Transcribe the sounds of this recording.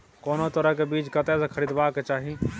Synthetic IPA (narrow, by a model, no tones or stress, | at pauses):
koːnot̪əɾəɦkebiːt͡ʃkət̪ɛsekʰəɾiːd̪baːket͡ʃaːɦi